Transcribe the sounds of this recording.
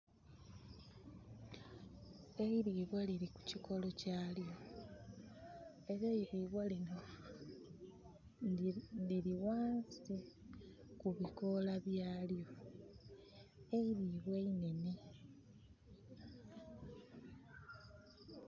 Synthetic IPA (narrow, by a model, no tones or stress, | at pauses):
e̞iɾiːβwaliɾiku̥ciko̞lo̞caːljo̞ | e̞ɾeiɾiːβwalino | liɾiwaːnsi | kuβiko̞laβjaːljo̞ | eiɾiːβweine̞ni